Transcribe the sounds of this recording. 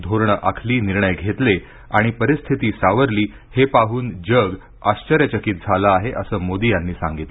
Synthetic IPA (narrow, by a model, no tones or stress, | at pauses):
d̪ʱoɾɳəʔakʰliːniɾɳəjɡʱet̪le | aɽ̃ipəɾist̪ʰit̪iːsaʋəɾliː | hepaɦuːnd͡ʑəɡ | aɕt͡ɕəɾjət͡ɕəkit̪̚d͡zʱalaːɦeʔəsəːmod̪ijanːiːsãŋɡit̪le